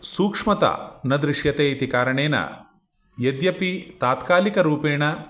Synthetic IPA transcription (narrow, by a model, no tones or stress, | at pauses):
suːkʂmɐt̪ɐ̰nɐd̪ɾiʂjɐt̪eːit̪ikaːɾɐɳeːnɐ̰ | jed̪jɐpit̪aːt̪kaːlikɐɾuːpeːɳɐ